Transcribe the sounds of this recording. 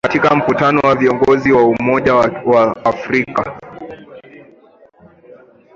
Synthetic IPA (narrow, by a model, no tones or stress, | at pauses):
katikam̩kutanɔwaviɔŋɡɔziwaumɔʄawaːfɾika